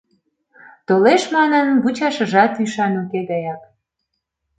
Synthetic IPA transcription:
t̪oleʃmɑnənβut͡ɕɑʃəʒɑt̪yʃɑnukeɣɑjɑk̚

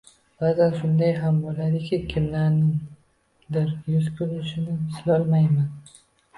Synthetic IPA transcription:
b̥aːzanʃʊnd̪ajɦambolad̪ɪkʲʰɪkʲʰɪmlaɾnɪŋ | d̪ɪɾjʊzkʲʰʊlʊʃɪnɪɪslɒlmajman

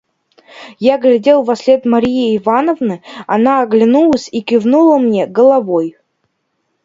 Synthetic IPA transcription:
jaɡlʲɪdʲelˠvɐsʲlʲet̪mɐɾʲijɪːvanəvnɨanaːɡlʲɪnulˠəsʲikʲɪvnulˠəmnʲeɡəlˠɐvoj

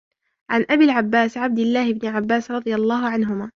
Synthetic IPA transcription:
ʕanʔabilʕabːaːsʕab̚d̪ɪlːaːhɪbnɪʕabːaːsɾˤɑd̪ˤɨjalˤːɑːhʊʕanɦʊmaː

